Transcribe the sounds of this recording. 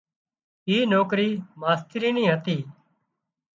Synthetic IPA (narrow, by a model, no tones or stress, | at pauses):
iːnoːkɾiːmaːst̪ɪɾiːnĩːɦət̪iː